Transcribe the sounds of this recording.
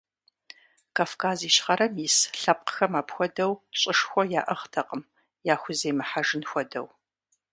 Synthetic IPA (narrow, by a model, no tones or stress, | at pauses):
kʰaːfkʰaːziːɕχɐɾɐmjisɬɐp̚qxɐmaːpxʷɔdɐwɕʼɪʂxʷɔjaːʔɐʁtʰɐqʼəm | jaːxʷʊzeːmɨħaʐɨnxʷɔdɐ̰w